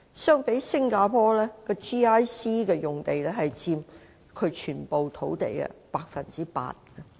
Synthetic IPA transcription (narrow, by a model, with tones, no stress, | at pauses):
sœː˥ŋpe˨˥jsɪ˥ŋkaː˧pʰɔː˥lɛː˥kɔ˧t͡ʃiː˥aː˥jsiː˥kɛː˧jʊ˨˩ŋt̪e˨jlɛː˥ɦɐ˨jt͡siː˧m | kʰɵ˨˧ɥt͡ʃʰyː˨˩npo˨wt̪ʰo˨˥wt̪ḛ˨jɛ̰˧paː˧k̚fɐ˨˩nt͡siː˥pa̰ː˧t̚kɛ˧